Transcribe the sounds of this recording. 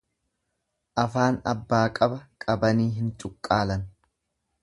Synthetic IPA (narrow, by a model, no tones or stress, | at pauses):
ʔɐfaːnɐbːaːkʼɐbɐkʼɐbɐniːɦɪnt͡ʃʼʊkʼːaːlɐn